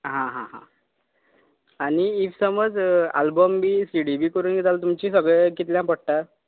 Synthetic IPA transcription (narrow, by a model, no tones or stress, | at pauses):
ɦãɦãɦã̰ | aɽ̃iifsəməd͡za̰lbəmbiːsiɽibiːkəɾuːnɡet̪alat̪umt͡ɕiːsəɡɭɛkit̪ljãpəɽ̚ʈa